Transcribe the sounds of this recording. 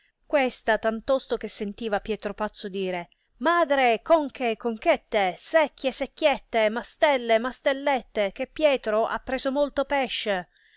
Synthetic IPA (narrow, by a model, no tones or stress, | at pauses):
kwest̪at̪ant̪ɔst̪ok̟esːent̪iːvapjɛːt̪ɾopat̪sːod̪iːɾe | maːd̪ɾekoŋkekːoŋk̟ɛt̪ːesɛkːjesekːjɛt̪ːemast̪ɛlːemast̪elːɛt̪ːek̟epːjɛːt̪ɾoʔa̰pːɾeːzomolt̪opɛʃːe